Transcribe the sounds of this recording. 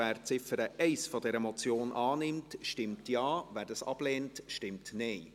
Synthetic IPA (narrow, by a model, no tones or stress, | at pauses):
æːɾt͡sɪfəɾəʔɛɪsfɔdɛɾəmɔt͡sjoːnʔɑːnɪmtʃtɪmtjɑːvæːɾdɑsɑ̰b̥leːntʃtɪmtnɛɪ